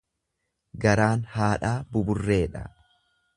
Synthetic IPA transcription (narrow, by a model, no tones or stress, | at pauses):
ɡɐɾaːnhaːᶑaːbʊbʊrːe̞ːᶑɐ̰